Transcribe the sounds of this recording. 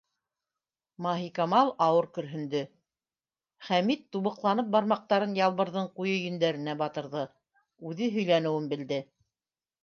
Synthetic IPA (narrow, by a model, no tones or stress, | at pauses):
mɑɦikɑmɑlˠɑwɤɾkɵ̆ɾɦɵ̆nd̪ɵ | χæmit̪ːuβɤ̆qlˠɑnɤp̚bɑɾmɑq̚t̪ɑɾɤnjɑlˠβɤ̆ɾðɤɴqujɤjɵ̆nd̪æɾɘ̆næbɑt̪ɤ̆ɾðɤ | ʉðɘɦɵ̆jlænɘ̆wɘnbɘ̆ld̪ɘ